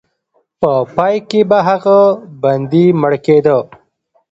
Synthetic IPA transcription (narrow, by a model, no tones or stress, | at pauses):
pəpɑjkebaɦaɣaband̪iməɽked̪ə